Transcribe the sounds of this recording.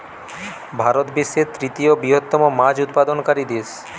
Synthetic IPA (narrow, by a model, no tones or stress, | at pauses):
bʱaɾot̪biʃːeɾt̪ɾit̪iobɾiɦot̪ːɔmomad͡ʑut̪pad̪onkaɾid̪es